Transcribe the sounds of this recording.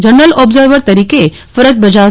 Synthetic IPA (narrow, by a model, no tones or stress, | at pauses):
d͡ʒənːəlɔbzəɾʋəɾt̪ɐɾiːke | fəɾət̪̚bɐd͡ʒa